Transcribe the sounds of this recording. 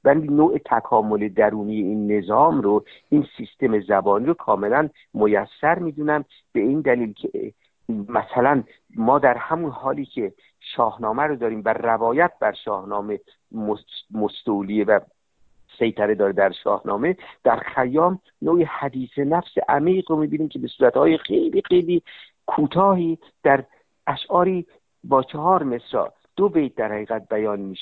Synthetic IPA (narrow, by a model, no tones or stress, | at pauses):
bænd̪inoːʔet̪ʰækʰɒːmoled̪æɾuːnije̞iːnːe̞zɒːmɾo | ʔiːnsist̪e̞me̞zæbɒːniːɾokʰɒːme̞læn | mojæsːæɾmiːd̪unæm | b̥e̞iːnd̪æliːlcʰe | mæsælæn | mɒːd̪æɾhæmunhɒːliːcʰe̞ | ʃɒːhnɒːmæɾod̪ɒːɾiːmværævɒːjæt̪̚bæɾʃɒːhnɒːme̞ | momost̪olievæ | sejt̪ʰæɾed̪ɒːɾed̪æɾʃɒ̰ːhnɒːme̞d̪̥æɾxæjɒːm | noːʔehæd̪iːse̞næfseʔæmiːɣɾomiːbiːniːmkʲʰe̞besuːɾæt̪hɒːjexe̞jliːxejliː | kʰuːt̪ʰɒːɦiː | d̪̥æɾ | ʔæʃʔɒːɾiː | bɒːt͡ʃʰehɒːɾme̞sɾɒ̰ː | d̪̥obejt̪̚d̪æɾhæɣiːɣæt̪̚bæjɒːnmiːʃe̥